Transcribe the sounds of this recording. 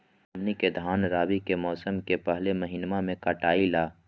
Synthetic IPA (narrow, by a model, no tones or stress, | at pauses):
mniked̪ʱaːnɾaːwikemɔːsəmkepəɦlemɐɦɪnmamẽkaʈaːilaː